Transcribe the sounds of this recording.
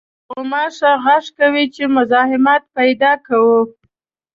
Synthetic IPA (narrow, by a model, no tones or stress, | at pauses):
ʊmɑʂaɣaʂkawit͡ʃemʊzɑhɪmɑt̪̚pajd̪ɑkawu